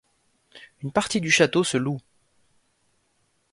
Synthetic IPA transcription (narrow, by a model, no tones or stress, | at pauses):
ynpaʁt̪id̪yʃat̪osəlu